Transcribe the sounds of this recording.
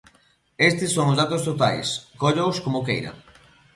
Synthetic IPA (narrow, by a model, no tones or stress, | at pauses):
est̪ɪsːoŋʊzðat̪ost̪ot̪a̰jskoʎowskomokejɾɐ̰